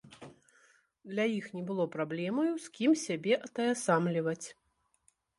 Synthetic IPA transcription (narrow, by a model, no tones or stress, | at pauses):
d̪lʲajixnʲɛbɨlˠɔpɾablʲɛmɐjuskʲimsʲabʲɛʔɐt̪ɐjasamlʲivɐt͡sʲ